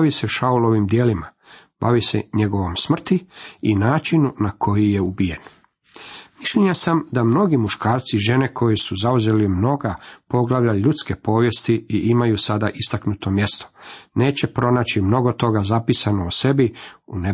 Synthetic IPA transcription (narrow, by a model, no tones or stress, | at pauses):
baʋise̞ʃaulo̞ʋimd̪jeːlima | b̥a̰ʋise̞̰ɲe̞ɡo̞ʋo̞msmr̩t̪iinaːt͡ʃinunakʰo̞jije̞ubije̞n | misʎeɲasamd̪amno̞ɡimuʃkaːɾt̪siʒe̞ne̞kʰo̞jisuzauze̞limno̞ɡapo̞ɡlaʋʎaʎut̪ske̞po̞ːʋje̞st̪iiʔimajusad̪aʔist̪aknut̪o̞mje̞st̪o̥ne̞ːt͡ɕe̞pɾo̞naːt͡ɕimno̞ɡo̞t̪o̞ɡazapisanoːse̞biune